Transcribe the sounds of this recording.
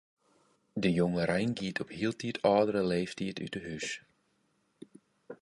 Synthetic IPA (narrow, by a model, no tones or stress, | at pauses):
dəjoŋəɾɛjnɡiətʰɔphiəlˠtʰiətʰɑːdəɾəleːftiəty̰təɦys